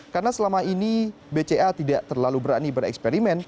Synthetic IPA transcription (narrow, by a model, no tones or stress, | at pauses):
karnasəlamaini | bet͡ʃeat̪idaʔt̪ərlalubəɾanibəɾɛ̰kspeɾimɛn